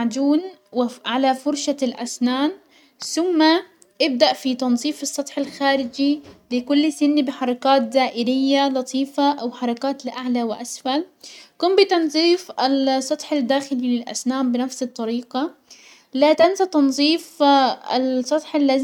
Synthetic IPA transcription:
ʕd͡ʒ̪uːnwɪʕalafʊɾʃalʔasnaːn | θʊmːa | ʔɪb̚d̪aʔfit̪ɑnzˤiːfɨsˤːɑt̪ˤħɪlxaːɾɪd͡ʒilɪkʊlːsɪnːbɪħɑɾˤɑkaːt̪̚zaːʔɪɾɪjːalɑt̪ˤʰiːfaʔawħɑɾˤɑkaːt̪lɪʔaʕlawɪʔasfalkʊmbɪt̪ɑnzˤiːfʔɪlsˤːɑt̪ˤħad̪ːaːxɪlilɪlʔa̰snaːmbɪnafsɨt̪ˤːɑɾiːqa | laːt̪ansat̪ɑnzˤiːfɪsˤːɑt̪ˤħalːa

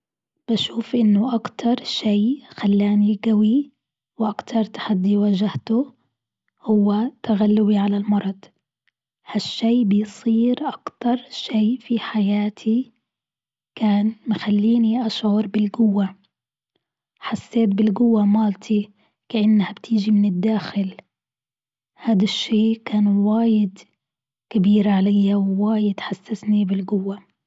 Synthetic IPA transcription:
b̥aʃuːfʔɪnːʊʔakt̪ʰɑɾˤʃeːxalːaːniɡawi | wʔakt̪ʰɑɾˤt̪ḁħad̪ːiwaʒaht̪ʊ | hʊwːat̪aɣalːʊwiʕalalmɑɾˤɑd̪̥ˤ | haʃːeːbɪjsˤiːɾʔakt̪ɑɾˤʃeːfiħajaːt̪ʰi | kaːnmɪxalːiːniʔaʃʕʊɾˤbɪlɡʊwːa | ħasːeːt̪̚bɪlɡʊwːamaːlt̪ʰi | kaʔanːhabt̪ʰɪːʒimɪnɪd̪ːaːxɪl | haːd̪aʃːeːkaːnwaːjɪd̪ | kɪbiːɾʕalajːawːaːjɪd̪ħasːasnibɪlɡʊwːa

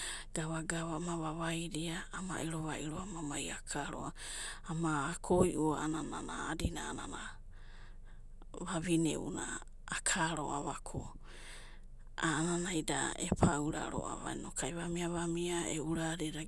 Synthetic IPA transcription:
ɡ̥aβaɡaβamaβaβajɾiaːma̰ʔiɾoβaʔiɾoamamajakʰaɾo̰aː | maːkʰojʔuaanananaːdinaːnana | βaβinḛṵna̰ː | kʰaɾo̰ʔaβakʰo | ananajda̰epʰawɾa̰ɾo̰a̰βa̰jnokʰajβamiaβamiaḛuɾaɾeɾa

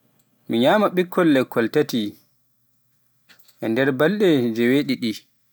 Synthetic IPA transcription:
miɲaːmaɓikʰːɔlːɛkʰːɔltati | ʔɛndɛɾbalɗɛd͡ʒɛweɗiɗi

